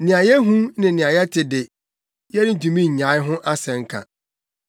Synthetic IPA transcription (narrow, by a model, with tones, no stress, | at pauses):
nĩ˨a˨jɛ˦ɦũ˦nɪ̃˨n̩˨nɪ̃˨a˨jɛ˦tʰɪ˨dɪ˨ | jɛ˦nɪ˦n̩˨tũ˨mĩ˦ɲ̩˨ɲã˨˦ɪ˦ɦʊ̃˦ʔa˦sɛ̃˨ŋ̩˦kʰa̰˨